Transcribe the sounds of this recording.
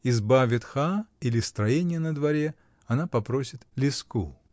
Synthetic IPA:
ɪzbavʲɪt̪xailʲɪst̪ɾɐjenʲɪjənəd̪vɐɾʲe | ɐnapɐpɾosʲɪt̪lʲɪsku

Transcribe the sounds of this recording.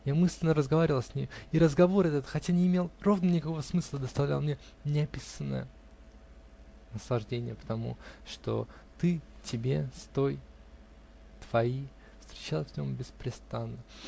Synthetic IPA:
jamɨsʲlʲɪnːəɾəzɡɐvaɾʲɪvəlˠsʲnʲimʲiɾəzɡɐvo̞ɾɐt̪ɛt̪əxɐtʲanʲɪːmʲelˠro̞vnənʲɪkɐko̞vəsmɨslˠəd̪əst̪ɐvlʲa̰lˠmnʲe | nʲɪɐpʲisənːə̰jə | nəslˠɐʐdʲenʲɪjəpə̥t̪ɐmṵʂt̪o̞̰t̪ɨtʲɪbʲe̞st̪o̞j | t̪v̥ɐi | fst̪ɾʲɪt͡ɕalˠfʲnʲombʲɪspɾʲɪst̪anːə

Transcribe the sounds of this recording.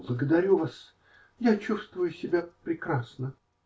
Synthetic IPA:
blˠəɡəd̪ɐɾʲuvas | jat͡ɕust̪vʊjʊsʲɪbʲapɾʲɪkɾasnə

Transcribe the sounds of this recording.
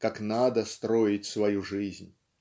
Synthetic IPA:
kaknad̪əst̪ɾojɪtʲsvɐjuʐɨzʲnʲ

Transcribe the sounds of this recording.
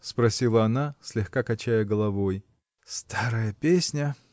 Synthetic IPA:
spɾɐsʲilˠəɐnasʲlʲɪxkakɐt͡ɕæjəɡəlˠɐvoj | st̪aɾəjəpʲesʲnʲə

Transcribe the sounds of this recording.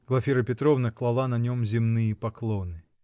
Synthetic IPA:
ɡlˠɐfʲiɾəpʲɪt̪ɾovnəklˠɐlˠanɐnʲomzʲɪmnɨjəpɐklˠonɨ

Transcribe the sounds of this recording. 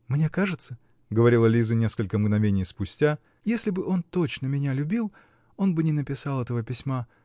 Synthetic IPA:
mnʲe̞kaʐɨt̪sə | ɡəvɐɾʲilˠɐlʲizənʲe̞skəlʲkəmɡnɐvʲenʲɪjspʊsʲtʲa | jesʲlʲɪbɨʔo̞nt̪o̞t͡ɕnəmʲɪnʲalʲʊbʲilˠ | o̞nbɨnʲɪnəpʲɪsɑlˠɛt̪əvəpʲɪsʲma

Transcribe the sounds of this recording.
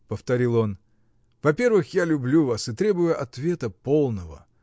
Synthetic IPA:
pəft̪ɐɾʲilˠo̞n | vɐpʲe̞rvɨxjalʲʊblʲuvasɨt̪ɾʲe̞bʊjʊʔɐt̪vʲe̞t̪əpo̞lˠnəvə̰

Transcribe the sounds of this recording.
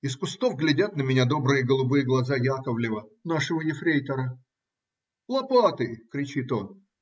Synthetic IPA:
ɪskʊst̪o̞vɡlʲɪdʲat̪nəmʲɪnʲad̪o̞bɾɨjəɡəlˠʊbɨjəɡlˠɐzajakəvlʲɪvənaʂəvəjɪfɾʲejt̪əɾə | lˠɐpat̪ɨkɾʲɪt͡ɕit̪o̞n

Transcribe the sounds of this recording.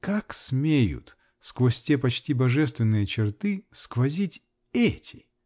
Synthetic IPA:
kaksmʲejʊ̰t̪ | skvosʲtʲepɐt͡ɕtʲibɐʐɛst̪vʲɪnːɨjət͡ɕɪrt̪ɨskvɐzʲitʲ | ɛtʲɪ̥

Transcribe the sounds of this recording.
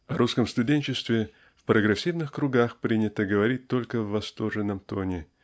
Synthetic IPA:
ɐɾʔuskəmst̪ʊdʲenʲt͡ɕɪst̪vʲɪ | fpɾəɡɾʲɪsʲivnɨxkɾʊɡaxpɾʲinʲɪt̪əɡəvɐɾʲit̚ʲt̪o̞lʲkəvːɐst̪orʐɨnːəmt̪onʲɪ

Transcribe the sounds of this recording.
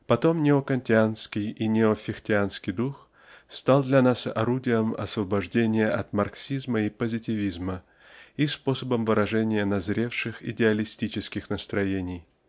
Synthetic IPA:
pɐt̪o̞mnʲɪokɐnʲtʲɪanskʲɪjinʲɪofʲɪxtʲɪanskʲɪjd̪ux | st̪alˠd̪lʲɐnasɐ̰ɾudʲɪjəmɐ̰svəbɐʐdʲenʲɪjəɐt̪mɐrksʲizməipəzʲɪtʲɪvʲizmə | ispo̞səbəmvɨɾɐʐɛnʲɪjənɐzɾʲe̞fʂɨxɪ̰dʲɪɐlʲɪsʲtʲit͡ɕɪskʲɪxnəst̪ɾɐjenʲɪj

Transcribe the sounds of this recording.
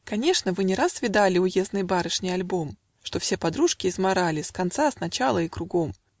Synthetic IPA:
kɐnʲe̞ʂnəvɨnʲɪɾasvʲɪd̪alʲɪʊje̞znɨjbaɾɨʂnʲɪjɐlʲbo̞m | ʂt̪o̞fsʲe̞pɐd̪ɾuʂkʲɪːzmɐɾalʲɪskɐnt̪sasnɐt͡ɕalˠəɪkɾʊɡo̞m

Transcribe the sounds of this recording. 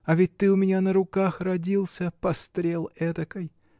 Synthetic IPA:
ɐvʲɪt̚ʲt̪ɨʊmʲɪnʲanəɾʊkaxrɐdʲilˠsʲəpɐst̪ɾʲelˠɛt̪əkəj

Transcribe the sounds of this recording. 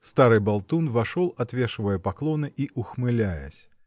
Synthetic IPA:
st̪aɾɨbalˠt̪unvaʂɔlˠat̪vʲɛʂvɐjɛpaklˠɔnɨʔiʔuxmɨlʲajɛ̰sʲ

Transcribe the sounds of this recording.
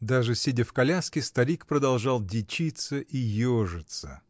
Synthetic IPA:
d̪aʐɨsʲɪdʲəfkɐlʲaskʲɪst̪ɐɾʲikpɾəd̪ɐlˠʐɑlˠdʲɪt͡ɕit̪səʔijoʐɨt̪sə̰

